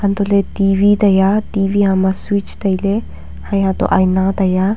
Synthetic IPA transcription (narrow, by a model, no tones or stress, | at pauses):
hãnt̪olet̪iʋid̪ɐjat̪iʋiɦãmaswit͡ʃd̪ɐjle | hãjɦãt̪o̰ʔajnad̪ɐja